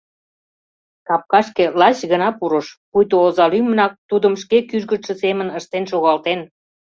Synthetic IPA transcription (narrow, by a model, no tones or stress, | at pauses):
kɑp̚kɑʃkelɑɕɣənɑpuɾəʃpujt̪oozɑlymənɑk̚t̪ud̪əmʃkekyʒɣət̪ʃə̆semənəʃt̪enʃoɣɑlt̪en